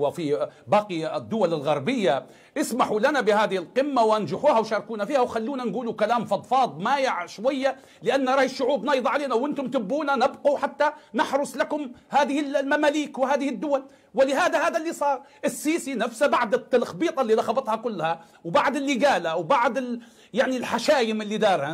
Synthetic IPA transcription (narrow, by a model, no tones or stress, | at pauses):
afibɑːqid̪ːʊwalɪlɣɑɾˤbɪjːa | ʔɪsmaħulanabɪhaːðɪhɪlqɪmːawʔand͡ʒɪħuːhawʃɑːɾˤkuːnafiːhawxalːuːnanɡuːlukalaːmfɑd̪ˤfɑːt̪ˤmaːjɪʕʃwajːa | lɪʔanːaɾˤɑːħɪʃːʊʕuːbnɑːjðˤʕaleːnawʔɪnt̪ʊmt̪ɪbːuːnanɪbquħat̪ːanɪħɾˤʊsˤlakʊmhaːðɪhɪllmamaːliːkwɪhaːðɪhɪd̪ːʊwal | wɪlɪɦaːd̪ahaːðalːiːsˤɑːɾˤʔɪsːiːsinafsabaʕd̪ɪt̪ːalxbiːt̪ˤɑlːiːðɑxɑbɑt̪ˤhɑkʊlːha | wbaʕd̪ɪlːiɡaːlawbaʕd̪ɪ | jaʕnilħaʃaːjɪmɪlːid̪ɑːɾˤha